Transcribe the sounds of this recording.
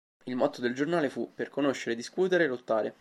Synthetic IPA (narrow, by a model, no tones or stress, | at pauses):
ilmɔt̪ːod̪eld͡ʒornaːlefuperkonoʃːeɾed̪iskuːt̪eɾelot̪ːaːɾe